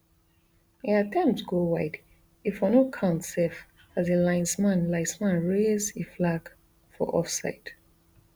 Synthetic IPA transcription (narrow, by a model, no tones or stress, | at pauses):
iatʰɛ̃mp̚tsɡɹowaɪd | ifɔ̃nokʰãʊ̃ntsɛf | azelãɪ̃nsmãnlaɪsmãnɹezeflaɡ | fɔ̰ʔɔ̰fsa̰ɪd